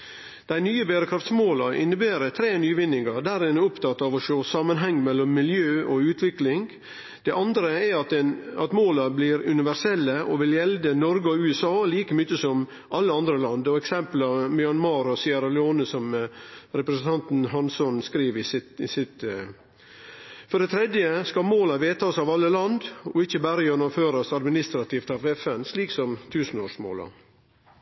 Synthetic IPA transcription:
d̪̥æɪnyːəbeːɾəkʰɾɑft̪smoːlɑʔɪ̰nːəbeːɾət̪ʰɾeːnyːʋɪnːɪŋɑd̪æɾɪnʊpt̪ʰɑt̪ːɑʋɔʃoːsɑmːənɦɛŋːmɛlːɔmːɪljøːʔɔʉːt̪ʰʋɪklɪŋ | d̪̥ɛʔɑnd̪ɾəɛɑt̪ɛnɑt̪moːlɑbliːɾʉnɪʋæɾsɛlːəʔɔʋɪljɛld̪ənɔɾɡɔʉːɛsɑːliːkəmʏt͡ʃːəsɔm | ʔɑlːəɑnd̪ɾəlɑnd̪ɔɛksɛmplɑmjɑnmɑːɾɔsiːəɾɑlɛoːnəsɔmɾɛpɾəsən̩t̪ʰɑnt̪nɦɑnsɔnskɾiːʋɪsɪɪsɪt̪ | fɔɖɛt̪ʰɾɛd̪jəskɑmoːlɑʋeːt̪ʰɑsɑʋɑlːəlɑnd̪ɔɪçːəbæːɾəjɛnːɔmføːɾɑsɑd̪mɪnɪst̪ɾɑt̪ʰift̪ɑʋɛfɛnsliːksɔmt̪ʰʉːsnoːʂmo̰ːlɑ̰

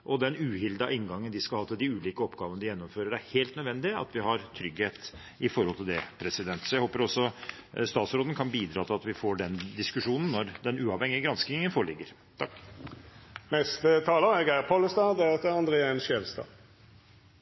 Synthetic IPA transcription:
ʔɔd̪ɛnʉːhɪld̪ɑʔɪnɡɑŋːənd̪ɪskɑlhɑːt̪ʰɪd̪ɪʉːliːkəɔpːɡɑːʋənəd̪ɪjɛnːɔmføːɾəɾæɾheːlt̪nœd̪ʋɛnd̪ɪɑ̰t̪ʋɪhɑɾt̪ʰɾʏɡheːt̪ | ɪfɔɾhɔlt̪ʰɪld̪ɛpʰɾɛsɪd̪ɛnt̪sɔjæɪhoːpəɾɔsːɔ | st̪ɑːt̪sɾoːd̪n̩kʰɑnbiːd̪ɾɑːt̪ɪlɑt̪ʋɪfoːɖɛnd̪ɪskʉʂuːnən̩ːɔɾd̪ɛnʉːɑʋhɛŋɪəɡɾɑnsknɪŋənfoːɭɪɡːəɾ | t̪ʰɑkː | nɛst̪ət̪ʰɑːləɛɡæɾpʰoləst̪ɑːd̪ɛɑt̪əɑnd̪ʁeːɛnʃjɛlst̪ɑ̰ː

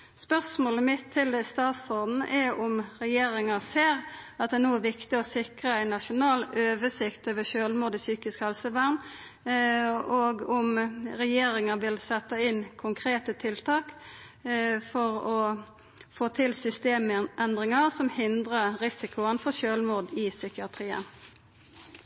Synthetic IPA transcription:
spœsmoːləmɪt̪ʰːɪld̪əst̪ɑːt̪sɔʁd̪n̩ʔɛʊmɾɛjeːɾɪŋɑseːɾɑt̪̚d̪ɛnoːæʋɪkt̪ɪɔsɪkʁəæɪnɑʂʊnɑːløːʋəsɪkt̪oːʋəʃøːlmuːd̪ɪsyːkɪskhɛlsəʋæʁn | ɔɡʊmɾɛjeːɾɪŋəʋɪlsɛt̪ːɑɪnkʰʊŋkʰʁeːt̪ət̪ʰɪlt̪ʰɑːk | fɔʁɔ | foːt̪ʰɪlsʏst̪eːmʔɛnd̪ʁɪŋɑʁsɔmhɪnd̪ʁəɾɪsɪkʰʊənfɔʃøːlmuːd̪ɪsʏkɪɑt̪ʰʁiːə̰n

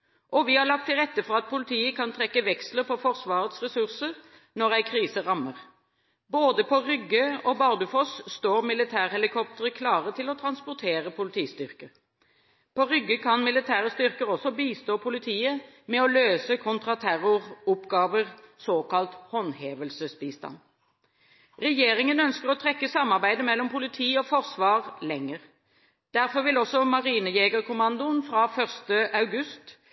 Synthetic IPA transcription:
ʔɔʋɪhɑʁɭɑk̚t̪ʰːɪlʁɛt̪ːəfɔʁɑt̪̚pʰʊlɪt̪ʰiːəkʰɑnt̪ʰɾɛkːəʋɛksləɾfɔfɔʁsʋɑːʁət̪sʁɛsʉʁsəʁ | nɔʁæɪkʰʁiːsəʁɑməʁ | boːd̪əpʰɔʁʏɡːəɔbɑʁd̪ʉfɔsst̪oːʁmɪlɪt̪ʰæːʁhɛlɪkʰɔp̚t̪əʁəkʰlɑːʁət̪ʰɪlɔt̪ʰɾɑnspʊʁt̪ʰeːʁəpʰʊlɪt̪ʰiːst̪ʏʁkə | pɔʁʏɡːəkʰɑnmɪlɪt̪ʰæːʁəst̪ʏʁkəɾɔsɔbiːst̪oːpʰʊlɪt̪ʰiːə | mɛɔløːsəkʰʊnt̪ʁɑt̪ʰæʁʊʁʊpɡɑːʋəʁsoːkɑlt̪hɔnheːʋəlsəsbiːst̪ɑ̰n | ʁɛjeːʁɪŋənœnskəʁɔt̪ʰʁɛkːəsɑmːɑʁbæɪd̪əmɛlːɔmpʊlɪt̪ʰiːɔfɔʁsʋɑːʁlɛŋːəʁ | d̪̥æʁfɔʁʋɪlɔsɔmɑʁiːnəjeːɡəʁkʰʊmɑnd̪ʊnfʁɑːfœʁst̪əʔɑʉɡʉst̪

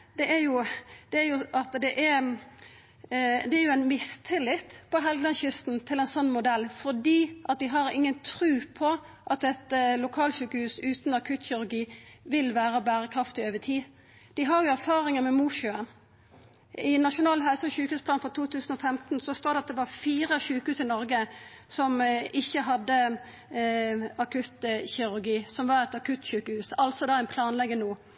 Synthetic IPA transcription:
d̪̥ɛʔæjʊd̪̥ɛæɾjʊʔɑt̪d̪ɛʔæɾ | d̪ɛæjʊæɪnmɪst̪ʰɪlːɪt̪pʰɔɦɛlɡ̪ɑnçʏst̪n̩t̪ʰɪlɛɪnsɔnːmʊd̪ɛlːfɔdiːʔɑt̪̚d̪ɪɦɑɾɪ̰ŋːənt̪ʰɾʉːpʰɔ | ʔɑt̪ɛt̪lʊkʰɑːlʃʉːkəhʉːsʉːt̪nɑkʰʉːt̪çɪɾʉɡiːʋɪlʋæːɾəbæːʁəkʰʁɑft̪ɪøːʋət̪ʰiː | d̪̥ɪɦɑɾjʊæʁfɑːʁɪŋəmɛmuːʃøːən | ɪnːɑʂʊnɑːlhælsəçʉːkəhʉːspʰlɑːnfɔʁt̪ʰuːt̪ʉːsn̩ɔfɛmt̪n̩sɔst̪oːɾd̪ɛɑt̪̚d̪ɛʋɑfiːʁəɕʉːkəhʉːsɪnɔɾɡəsɔmɪçːəɦɑd̪ːə | ɑkʉt̪çɪʁʉɾɡiːsɔmʋɑʁɛt̪ɑkʰʉt̪ɕʉːkəhʉːsɑlsɔd̪ɑːæɪnpʰlɑːnlɛɡːənuː

